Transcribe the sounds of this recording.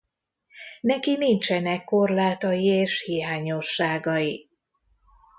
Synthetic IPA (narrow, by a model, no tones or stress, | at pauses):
nɛkinint͡ʃɛnɛkːo̞rlaːt̪ɒjieːʃhijaːɲo̞ʃːaːɡɒji